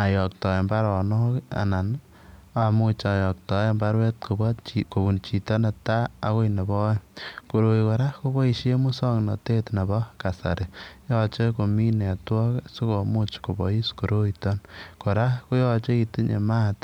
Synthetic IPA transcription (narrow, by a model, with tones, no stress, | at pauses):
a˨jɔ˨k̚tɔ˨e˨mba˦ɾɔ˨noka̰˨na˨n | a˨mu˦t͡ʃa˨jɔ˨k̚tɔ˨e˦mba˦ɾwe˦t̚kobt͡ʃiko˨βu˨nt͡ʃi˨tɔ˦na˨taː˦˨ko˦ine˨bɔ˦ko˨ɾo˨iko˨ɾa˦ko˦bɔ˦i˨ʃe˦mu˦sɔ˦knɔ˨te˦tne˨bɔ˦ka˨sa̰˨ɾe˨jɔ˦t͡ʃe˦ko˨mi˦ne˨twɔ˦ksu˦ko˨mu˦t͡ʃko˨bɔ̰˨i˦sko˨ɾo˦itɔnko˨ɾa˦ko˦jɔt͡ʃe˦iti˦ɲḛ˨ma˦t